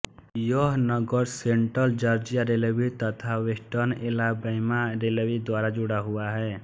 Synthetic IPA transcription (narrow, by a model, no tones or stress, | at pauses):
jɔɦnəɡəɾseɳʈɾəld͡ʒəɾd͡ʒijaɾelewit̪ət̪ʰaʋesʈənelabəjmaɾelewid̪waɾad͡ʒuɽaɦuaɦɛː